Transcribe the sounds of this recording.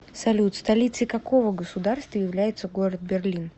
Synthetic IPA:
sɐlʲut̪st̪ɐlʲit̪sɨkɐko̞vəɡəsʊd̪arst̪vəjɪvlʲæjɪt̪səɡo̞ɾət̪̚bʲɪrlʲin

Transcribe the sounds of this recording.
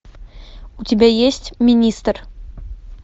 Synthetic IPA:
utʲebʲæjesʲtʲmʲinʲist̪r

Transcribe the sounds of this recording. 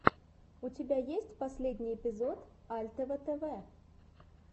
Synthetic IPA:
ʊtʲɪbʲajesʲtʲpɐsʲlʲedʲnʲijɪpʲɪzot̪alʲt̪əvət̪ɛvɛ

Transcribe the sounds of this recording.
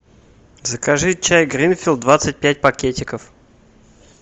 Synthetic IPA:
zəkɐʐɨt͡ɕːajɡɾʲinfʲɪlˠd̪d̪vat̪sɨt̚ʲpʲæt̚ʲpɐkʲetʲɪkəf

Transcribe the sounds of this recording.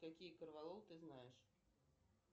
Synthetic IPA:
kakʲijkɐrvalˠɔwt̪ɨznajɛʂ

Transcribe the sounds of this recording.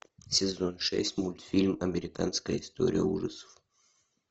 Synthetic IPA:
sʲɪzonʂɛ̰sʲtʲmulʲt̪fʲilʲmɐmʲɪɾʲɪkanskəjəɪst̪o̞̰ɾʲɪjə̰uʐɨsə̥f

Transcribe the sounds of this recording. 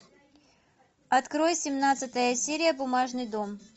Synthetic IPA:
ɐt̪kɾo̞jsʲɪmnat̪sɨt̪əjəsʲeɾʲɪjəbʊmaʐnɨjd̪om

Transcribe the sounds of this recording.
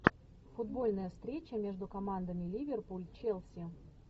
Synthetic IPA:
fʊd̪bo̞lʲnəjəst̪ɾʲet͡ɕəmʲeʐd̪ʊkɐmand̪əmʲɪlʲivʲerpulʲt͡ɕelʲˠsʲɪ

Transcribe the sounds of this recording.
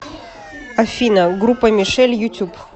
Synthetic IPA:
ɐfʲinɐɡɾupːəmʲɪʂɛlʲjʊtʲup

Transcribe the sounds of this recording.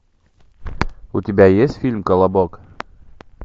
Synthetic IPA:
ut̪ʲibæjesfʲilʲmkolˠabok

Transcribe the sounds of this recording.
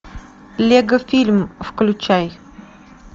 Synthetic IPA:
lʲeɡəfʲilʲmfklʲʊt͡ɕaj

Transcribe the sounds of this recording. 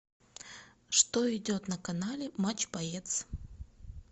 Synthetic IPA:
ʂt̪oɪdʲot̪nəkɐnalʲɪmat͡ɕbajet̪s

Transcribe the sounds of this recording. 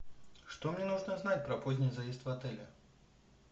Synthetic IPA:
ʂt̪ɔmnʲɛnuʐnɐzn̪at͡sʲpɾɐpɔzʲnʲijzɐjɛst̪vat̪ɛlʲɐ̰

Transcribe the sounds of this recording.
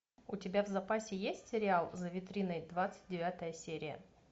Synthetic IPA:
ʊtʲɪbʲavzɐpasʲɪjesʲtʲsʲɪɾʲɪalˠzəvʲɪt̪ɾʲinəjd̪vat̪sɨ̥t̚ʲdʲɪvʲat̪əjəsʲeɾʲɪjə̰

